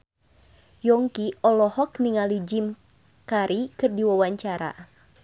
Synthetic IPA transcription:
jɔŋkiɔlɔhɔkniŋalid͡ʒim | kaɾikɨrdiwawaɲt͡ʃaɾa̰

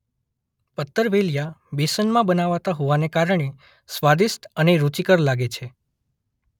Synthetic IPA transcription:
pət̪ːəɾʋeljabesənmãbənaʋat̪aɦoʋanekaɾəɳ̃e | sʋad̪ist̪əneɾut͡ʃikəɾlaɡet͡ʃʰe

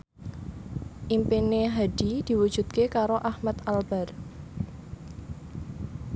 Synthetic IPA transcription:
ʔimpineɦad̥id̪̥i̤wu̥d͡ʒ̥ṳt̪̚kekaɾoʔahmat̪albar

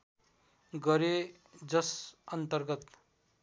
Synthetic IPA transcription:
ɡʌɾe | d͡zʌsʌnt̪ʌrɡʌt̪

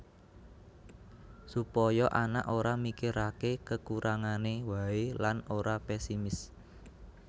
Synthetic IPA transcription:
supɔjɔʔana̰ʔoɾamikiɾakekəkuɾaŋanewaelanoɾapɛsimɪs

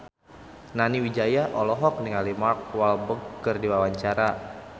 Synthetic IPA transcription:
naniwid͡ʒajaʔɔlɔɦɔk̚niŋalimark̚walbəɡːərdiwawaɲt͡ʃaɾa

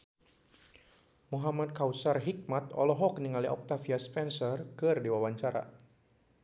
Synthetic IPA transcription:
muɦamad̪̚kawsarɦik̚mat̪ɔlɔɦɔk̚niŋaliʔɔk̚t̪afiaspɛnsɔrkɨrdiwawaɲt͡ʃaɾa̰

